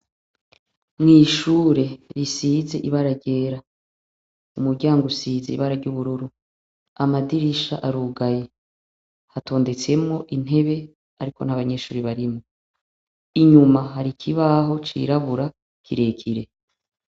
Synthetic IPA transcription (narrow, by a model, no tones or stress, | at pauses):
mŋiːʃuːɾe̞ɾisiːze̞̰ʔiβaɾaɾɟe̞ːɾa | umuɾɟaːŋɡusize̞̰iβaɾaɾɟuβuɾuɾu | amadiɾiʃa̰ʔaɾuːɡaje | hatʰo̞ːnde̞t͡se̞mŋo̞ʔin̥ɦe̞βe̞ | aɾiko̞̰n̥aβaɲe̞ːʃuːɾiβaɾimo | iɲumaɦaɾikʰiβaɦo̞t͡ʃḭɾaβuɾa | kʰiɾe̞kʰiɾe̞